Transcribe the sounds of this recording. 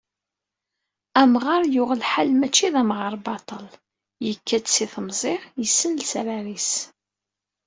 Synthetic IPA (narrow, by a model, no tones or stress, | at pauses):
æmʁaɾˤjʊʁəlħalmæt͡ʃːiðæmʁəɾˤbɑt̪ˤəl | jəkːæt͡ssiθəmzˤɪʁjəsːənlsɾaɾis